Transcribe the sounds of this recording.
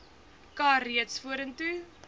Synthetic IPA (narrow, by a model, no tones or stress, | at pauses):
kɑːriətsfuəɾəntu